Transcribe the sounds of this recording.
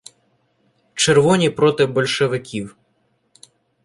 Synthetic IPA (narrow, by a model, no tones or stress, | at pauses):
t͡ʃerʋɔnʲipɾɔt̪ɪbɔlʲʃeʋɪkʲiw